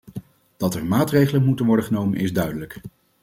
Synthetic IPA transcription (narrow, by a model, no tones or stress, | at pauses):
d̥ɑtɛɹmaːtrejχələnmutənʋɔɹdəχənowmənɪzdœɥdələk